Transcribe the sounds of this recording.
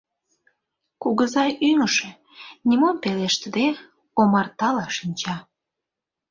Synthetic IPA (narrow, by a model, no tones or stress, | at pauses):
kuɣəzɑjyŋəʃe | nʲimompeleʃt̪əd̪e | omɑrt̪ɑlɑʃinʲt͡ɕɑ